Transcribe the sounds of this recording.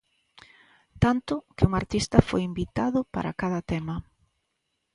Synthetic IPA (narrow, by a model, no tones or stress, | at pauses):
t̪ant̪ʊkɪuŋaɾt̪ist̪ɐfo̰jimbit̪aðʊpa̰ɾa̰kaðɐt̪ɛmɐ